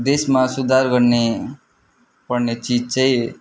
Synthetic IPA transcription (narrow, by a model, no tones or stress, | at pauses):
d̪esmasud̪ʱaɾɡʌɾne | pʌɾnet͡ʃid͡ʒt͡ʃʰaj